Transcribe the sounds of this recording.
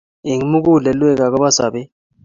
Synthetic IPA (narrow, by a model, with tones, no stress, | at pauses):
i˨ŋi˨˦mu˦k̬u˦˨lɛ˨lwɛ˦k̬a˨k̬ɔ˦ɓa˦sa˨ɓɛ˦